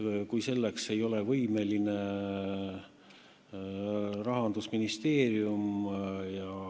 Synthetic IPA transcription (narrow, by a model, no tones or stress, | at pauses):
kujse̞lːekse̞jo̞levɤjme̞line̞ | rɑɦɑnd̪usminist̪e̞ːɾiumjɑ